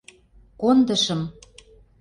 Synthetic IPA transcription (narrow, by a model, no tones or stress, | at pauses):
kond̪əʃə̆m